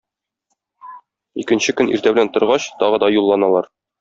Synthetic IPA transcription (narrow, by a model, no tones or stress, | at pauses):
ikɘ̆nɕɘkɵnḭɾt̪æbɘ̆lænt̪ŏɾʁɑɕt̪ɒʁɤ̆d̪ɒjulˠːɑnɑlˠɑɾ